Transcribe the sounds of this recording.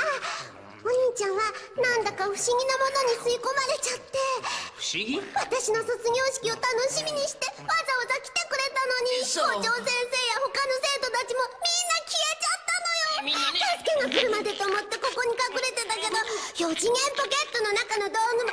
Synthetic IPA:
a | oɲ̟iːt͡ɕãɰ̃βanãnd̪akaɸɯ̟̥ɕiɡʲinamo̞no̞ɲ̟isɨiko̞maɾe̞t͡ɕat̪ːe̞ɸɯ̥ɕiɡʲiβat̪aɕino̞so̞t͡sɨɡʲo̞ːɕi̥kʲio̞t̪ano̞ɕimʲiɲ̟iɕi̥t̪e̞βazaozakʲi̥t̪e̞kɯ̟ɾe̞t̪ano̞ɲ̟ioːt͡ɕo̞ːsẽ̞ɰ̃se̞ːjaho̞kano̞se̞ːt̪o̞t̪at͡ɕimo̞mʲĩnːakʲiet͡ɕat̪ːano̞jo̞kasi̥kʲẽŋɡakɯ̟ɾɯ̟mad̪e̞t̪oːmo̞t̪ːe̞ko̞ko̞ɲ̟ikakɯ̟ɾe̞t̪e̞t̪ak̬e̞d̪o̞jod͡ʑiŋẽ̞mpo̞ke̞t̪ːo̞no̞nakano̞d̪o̞ːɡɯ̟

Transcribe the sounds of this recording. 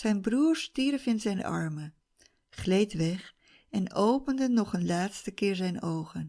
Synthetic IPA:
z̥ɛjnbruːɹstiːɾəfɪnzɛjnʔɑ̰ɹmə | χlejtʋɛχ | ɛnowpəndənɔχənlaːtstəkɪːɹzɛjnowχən

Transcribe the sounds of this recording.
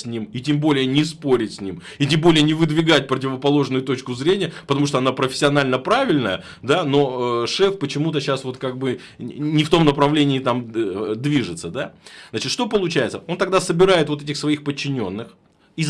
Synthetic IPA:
sʲnʲimitʲembo̞lʲɪjənʲɪspo̞ɾʲɪtʲsʲnʲim | itʲembo̞lʲɪjənʲɪvɨd̪vʲɪɡat̚ʲpɾətʲɪvəpɐlˠo̞ʐnʊjʊt̪o̞t͡ɕkʊzɾʲenʲɪjəpət̪ɐmuʂ̬t̪oɐnapɾəfʲɪ̥sʲːɪɐnalʲnəpɾavʲɪlʲnəjə | d̪ano̞əʂɛfpət͡ɕɪmut̪̬əɕasvo̞t̪kaɡ̚bɨ | nʲɪft̪o̞mnəpɾɐvlʲenʲɪːt̪amd̪vʲiʐɨt̪səd̪aznat͡ɕɪt̪ʂt̪opəlˠʊt͡ɕæjɪt̪səʔo̞nt̪ɐɡ̚d̪asəbʲɪɾajɪt̪vo̞t̪ɛt̬ʲɪxsvɐixpət͡ɕːɪnʲo̞nːɨx | iz

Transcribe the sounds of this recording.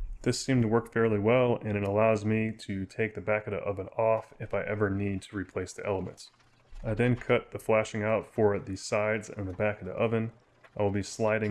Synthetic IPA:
ðɪsĩmtʰəwɜ˞kfɛɹlˠiwɛlˠɨ̃ñɨɾəlaʊzmiɾɨtʰeɪk̚ðɨbækɨɾə̰ʔʌvɨ̃nɔfɨfaɪʔɛvə˞nid̚tʰɨɹipʰl̥eɪsðḭʔɛ̰lˠəmɨ̰̃nts | aɪðɨ̃nkʰʌt̪̚ðɨflæʃɪ̃ŋaʊtfə˞ðɨ̥saɪdzɨ̰̃nðɨbækɨɾə̰ʔʌvɨ̃n | ʔaɪwəlˠbislaɪɾɪ̃

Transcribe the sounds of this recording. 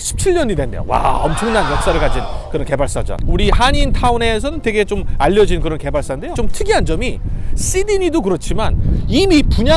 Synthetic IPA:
ɕʰi̥p̚t͡ɕʰiɭɲʌɲidwendejo̰wa̰ʌmt͡ɕʰʌŋnanjʌk̚s͈aɾɯɭkad͡ʑinkɯɾʌnke̞baɭs͈ad͡ʑʌ̰nuɾiɦaɲintʰaune̞sʰʌnɯntwe̞ɡe̞t͡ɕomaʎːʌd͡ʑinkɯɾʌnke̞baɭs͈ande̞jot͡ɕomtʰɯɡiɦand͡ʑʌmis͈idiɲidokɯɾʌt͡ɕʰimanimipuɲa

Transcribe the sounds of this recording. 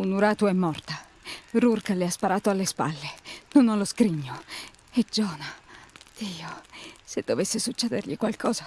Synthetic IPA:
unuɾaːt̪oɛmːɔrt̪a | rurkaleaspaɾaːt̪oalːespa̰lːenonalːoskɾiɲːo | ed͡ʒɔːnad̪̥iːosed̪ːovesːesut͡ʃːɛːd̪erʎikwalkʰɔːza

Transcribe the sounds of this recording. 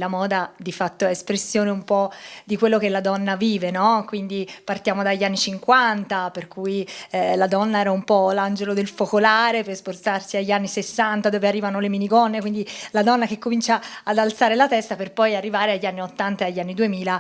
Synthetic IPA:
lamɔːd̪ad̪ifat̪ːoɛespɾesːjoːneumpɔd̪ikwelːokelːad̪ɔnːaviːvenɔkwind̪ipart̪jaːmod̪aʎːanːit͡ʃiŋkwant̪aperkujlad̪ɔnːaɛːɾaumpɔland͡ʒelod̪elfokolaːɾepersport̪sarsiaʎːanːisesːant̪ad̪oːvearːiːvanoleminiɡɔnːekwind̪ilad̪ɔnːak̟ekːomint͡ʃaːd̪alt̪saːɾelat̪ɛst̪aperpɔjarːivaːɾeaʎːanːiot̪ːant̪aeaʎːanːid̪uemiːla

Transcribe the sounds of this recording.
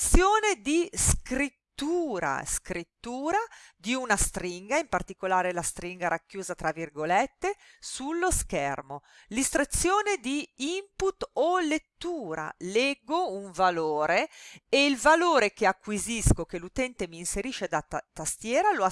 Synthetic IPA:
sjoːned̪iskɾit̪ːuːɾa̰skɾit̪ːuːɾad̪iunast̪ɾiŋɡaimpart̪ikolaːɾelast̪ɾiŋɡaɾakːjuːzat̪ɾavirɡolet̪ːesulːoskɛrmolist̪ɾet̪sːjoːned̪iimput̪olet̪ːuːɾa̰lɛɡːouɱvaloːɾeeilvaloːɾekeakːwiziskok̟elut̪ɛnt̪emiːnseɾiːʃed̪at̪ːast̪jɛːɾaloa

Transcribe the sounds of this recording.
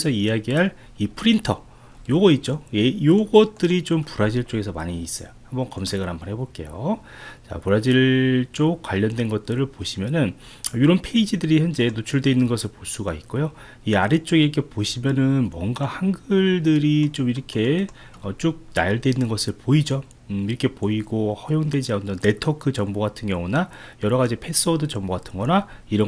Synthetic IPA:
sʰʌijaɡiɦaɭ | ipʰɯɾintʰʌ | joɡʌit̚t͡ɕ͈ojejoɡʌt̚t͈ɯɾit͡ɕompuɾad͡ʑiɭt͡ɕ͈oɡe̞sʰʌma̰ɲiːs͈ʌ̰johambʌnkʌmsʰe̞ɡɯɾhambʌnheboɭk͈e̞̰jo | t͡ɕa̰puɾad͡ʑiɭt͡ɕ͈ok̚k͈waʎːʌndwe̞nɡʌt̚t͈ɯɾɯɭpoɕʰimjʌnɯn | ʌjuɾʌnpʰe̞id͡ʑidɯɾiçjʌnd͡ʑe̞not͡ɕʰuɭdwe̞inːɯnɡʌsʰɯɭpos͈uɡait̚k͈ojo | iaɾet͡ɕ͈oɡekʰepoɕʰimjʌnɯnmwʌŋɡahanɡɯɭdɯɾit͡ɕ͈omiɾʌkʰe̞ | ʌt͡ɕ͈ok̚na̰jʌɭdwe̞inːɯnɡʌsʰɯɭpoid͡ʑo | iɾʌkʰe̞poiɡohʌjoŋdwe̞d͡ʑiaundʌnːe̞tʰokʰɯt͡ɕʌŋboɡatʰɯnɡjʌŋunajʌɾʌɣad͡ʑipʰe̞s͈ʰʌdɯt͡ɕʌŋboɡatʰɯ̥nɡʌnaiɾʌ

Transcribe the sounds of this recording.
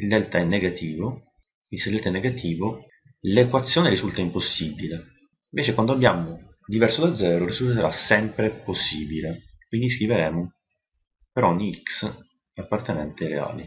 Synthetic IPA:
ild̪ɛlt̪aɛnːeɡat̪ʰiːvo | ilsed̪ɛlt̪aɛnːeɡat̪ʰiːvo | lekwat̪sːjoːneɾizult̪aimposːibile | iɱveːt͡ʃekwand̪oabːjaːmo | d̪ivɛrsod̪ad̪zːɛːɾoɾizult̪eɾasɛmpɾeposːiːbilekwind̪is̬kɾiveɾɛːmo | peɾɔɲːiiks | apːart̪enɛ̰nt̪eɾḛa̰ːlḭ

